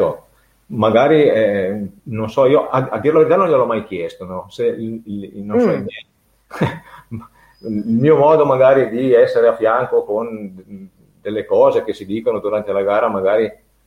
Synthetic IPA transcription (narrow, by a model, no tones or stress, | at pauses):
o | maɡaːɾiɛnonsɔiːoaad̪ːiːɾelaveɾit̪anõnʎelɔmajkjɛst̪onɔselilinõnsɔilmjɛ | ilmiːomɔːd̪omaɡaːɾid̪iɛsːeɾeafːjaŋkokon | d̪̥elːekɔːzekesid̪iːkonod̪uɾant̪elaɡaːɾamaɡaːɾi